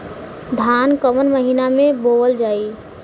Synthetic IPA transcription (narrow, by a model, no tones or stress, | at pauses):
d̪ʱankəmənməɦinamẽboəld͡ʒaːi